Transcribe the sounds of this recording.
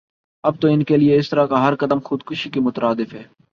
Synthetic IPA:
ɐb̚t̪oɪnkelieɪst̪əɾakaɦɐɾkɐd̪əmxʊd̪kʊʃikimʊt̪ɾʔaːd̪ɪfɦɛː

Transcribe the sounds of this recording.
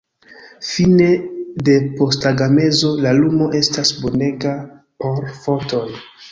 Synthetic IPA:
fine̞de̞po̞staɡame̞zo̞lalumo̞ʔe̞stasbo̞ne̞ɡa | po̞ɾfo̞to̞j

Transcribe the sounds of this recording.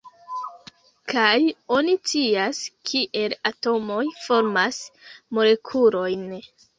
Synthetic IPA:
kʰajo̞nit͡siaskʰiʔe̞lato̞mo̞jfo̞ɾmasmole̞kʰuɾo̞jn

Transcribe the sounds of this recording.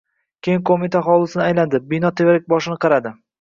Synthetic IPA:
kʲʰejɪŋkʰomit̪ʰaχɒlˠɪsɪnɪajland̪ɪbinɒt̪ʰevaɾɪk̚ʲbɒʃɪnɪqʰɑɾad̪ɪ

